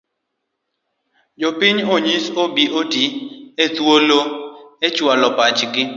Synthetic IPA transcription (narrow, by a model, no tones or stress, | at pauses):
d͡ʒopɪɲoɲisobiʔotiet̪woloet͡ʃwalɔpat͡ʃɡɪ